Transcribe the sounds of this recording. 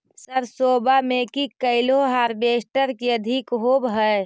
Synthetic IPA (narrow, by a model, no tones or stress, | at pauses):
səɾsoːbamẽkikəɪloɦaɾbeːsʈəɾkiəd̪ʱikɦoːbɦə